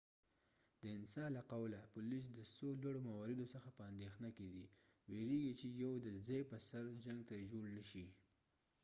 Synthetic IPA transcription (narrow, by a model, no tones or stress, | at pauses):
d̪̥əɪnsɑlaqawlapʊlis̬d̪əsolwaɽomawɑɾɪd̪osəxapəand̪exnaked̪i | weɾeɡit͡ʃejawd̪əzajpəsaɾd͡ʒaŋɡ̚t̪ad͡ʒoɽnəʃi